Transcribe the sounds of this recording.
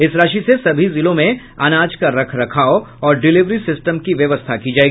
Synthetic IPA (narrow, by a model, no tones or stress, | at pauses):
ɪsɾaːʃisesɐbʱizɪlõmẽ | aːnaːd͡ʒkaɾɐkʰɾɐkʰaːoɔːɾɖɪlɪʋɾisɪsʈəmkiʋjɐʋəst̪ʰakid͡ʒaːeːɡii